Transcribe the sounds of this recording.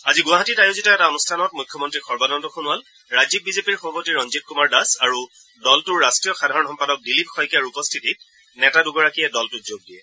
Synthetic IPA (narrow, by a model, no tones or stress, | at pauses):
aziɡʊwaɦatitajozitɔɛtaɔnustʰanɔt̚mujkʰjɔmɔntɹixɔɹbadɔntɔxʰunʊwal | ɹazip̚bizepiɹxɔbʱapotiɹɔnzit̚kumaɹdasaɹu | dɔltʊɹːastɹijɔxadʱaɹɔnɔmpadɔk̚dilipxɔjkaɹupɔstʰitit̚ | nɛtaduɡɔɹakijɛdɔltʊtzoɡ̚diɛ